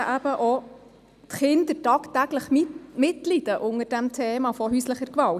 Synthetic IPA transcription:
ʔæb̥əʔɔ | t̪χɪnd̪əɾtɑːkt̪æɡləχmimɪt̪lid̥̪əʔʊŋəɾd̥æmt̪ʰeːmɑfɔɦysləχəɾkʋɑl

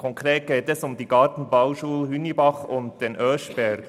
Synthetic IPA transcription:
kʰɔŋkʁeːt̚ɡ̥eːtɛsʊmdiːɡɑːtn̩baʊʃuːlhynibɑχʊnt̚d̥eːnʔœʃb̥ɛɡ

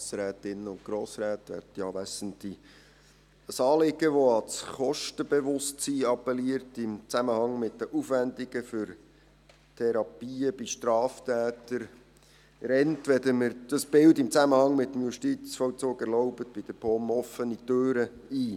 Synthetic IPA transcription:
sɾæːt̪ɪnːəʊnt̚ɡ̥ɾoːsɾæːtʋɛ̰dtjɑːʋæsənt̪li | əsɑːlɪɡ̥əʋɔɑlsχɔʃtəbeʋʊstsiːɑpːɛliəɾtɪmt͡sæməhɑŋmɪt̚ːəʔufʋændiɡ̥əfʏɾ | tʰɛɾɑpiːəbiʃtɾɑːftʰæːtəɾ | ɾɛntʋɛd̪əməɾd̥əsb̥ɪldɪmt͡sæməhɑŋmɪt̪ːəmjuʃtit͡sfɔwt͡soːɡɛɾlɔʊbətb̥id̥əpʰɔːmɔfənitøːɾə | iː

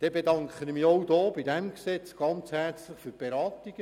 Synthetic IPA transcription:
d̥ɛbedɑŋkχənmiowd̥oːbidɛmksɛt͡sɡ̥ɑnt͡shært͡sləχfyɾb̥eɾɑːtiɡ̥ə

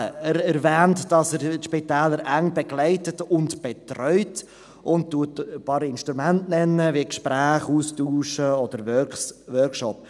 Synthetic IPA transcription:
əəɾɛɾvæːntd̥ɑsəɾʃpitɛːləɾæŋbɛɡlɛɪtətʊntb̥ɛtrœʏt | ʔʊnttːuətpɑɾɪnʃtɾumæntnɛnːəvikʃpɾæːχuːstuːʃəɔd̪əɾvœsʋœɾkʃɔp

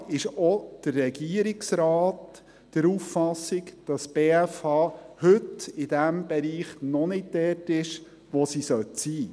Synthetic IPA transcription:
ɪʃɔd̥ərːɛɡiəɾɪksɾɑːt | d̥əɾuffɑsːɪkd̥ɑsb̥eːɛfɑːhɵtɪd̥æmb̥ɛɾiːχnɔnɪtdɛːtɪʃ | ʋɔsisœtsiː

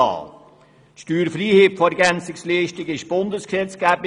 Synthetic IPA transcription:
ɑ̰ːl | tʃtyːɾfriːheːpfoɛɾɡænt͡sɪksliːʃtɪɡɪʃb̥ʊndəsksɛt͡sɡ̥æːb̥ɪ

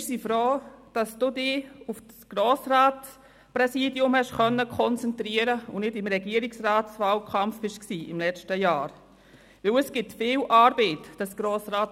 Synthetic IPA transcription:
ɪsifɾoːd̥ɑsd̥uːdɪːufsɡ̥ɾoːsɾaːt | pɾɛsiːdjʊmhɛʃχœnːəkʰχɔnt͡sɛntɾiəɾəʊnɪdɪmɾɛɡiəɾɪksraːtsvaːlkʰɑmfb̥ɪʃksiːɪmlɛt͡ʃtəjaːɾ | vɪwəsɡ̥ɪtfɪːlʔɑːɾb̥eːtd̥ɑsɡ̥ɾoːsɾaːt

